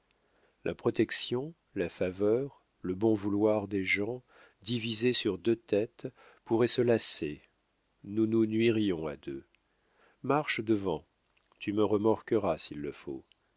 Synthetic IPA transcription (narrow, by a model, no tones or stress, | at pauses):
lʔa̰pχɔt̪ɛksjɔ̃ | lafavœʁ | ləbɔ̃vulwaʁd̪eʒɑ̃ | d̪ivizesyʁd̪øt̪ɛt̪ | puʁɛsəlase | nununɥiʁjɔ̃a̰d̪ø | maʁʃd̪əvɑ̃ | t̪yməʁəmaʁkəʁasilːəfo̰